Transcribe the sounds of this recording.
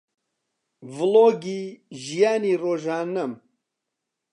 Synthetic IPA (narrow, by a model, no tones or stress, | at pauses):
vɨloːɡiːʒijaːniːroːʒaːnɐm